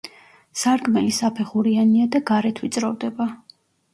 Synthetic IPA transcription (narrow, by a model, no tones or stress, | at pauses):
saɾɡmɛlisapʰɛχuɾianiad̪aɡaɾɛt̪ʰwit̪sʼɾɔvd̪ɛba